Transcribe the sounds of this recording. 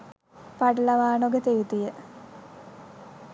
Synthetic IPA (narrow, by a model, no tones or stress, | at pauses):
paɖəlaʋaːnoɡet̪ejut̪ijə